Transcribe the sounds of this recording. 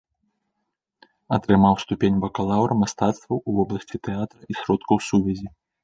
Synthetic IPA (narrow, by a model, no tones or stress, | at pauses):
ɐt̪ɾɨmawst̪upʲenʲvɐkɐlˠawɾɐmast̪at̪st̪vɐwuvɔblˠɐsʲt͡sʲit̪ɛat̪ɾɐʔisʲɾɔt̪kɐwsuvʲɛzʲi